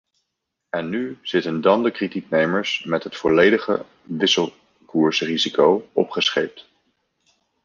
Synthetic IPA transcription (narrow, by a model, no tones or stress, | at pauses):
ɛnːyz̥ɪtəndɑndəkritik̚nejməɹsmɛtɦətfɔlejdəχə̰ | ʋɪsəlˠ | kuːɹsrizikowʔɔpχəsχejp̚t